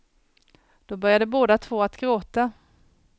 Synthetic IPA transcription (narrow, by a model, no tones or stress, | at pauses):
d̪̥ɔbœɾjad̪əboːd̪at̪ʰvoːat̪ɡɾoːt̪a